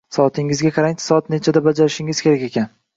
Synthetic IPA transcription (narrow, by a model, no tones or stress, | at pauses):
sɒt̪ʰɪŋɪzɡʲaqʰɑɾaŋ̥sɒat̪̚ne̞t͡ʃʰad̪abad͡ʒaɾɪʃɪŋɪz̥kʲe̞ɾakʲe̞kʲan